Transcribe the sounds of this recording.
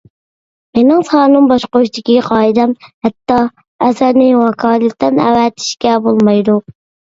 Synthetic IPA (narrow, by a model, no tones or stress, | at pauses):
menɪŋsɑːnɨmbɑʃqoʃt̪ɪkʲiqʰɑːid̪ɛmhɛt̪ːɑ | ɛsæɾnɪwɑkʰɑːlɪt̪ːɛnɛ̰wɛt̪ʰɪ̥ʃkʲɛbolˠmɑjd̪u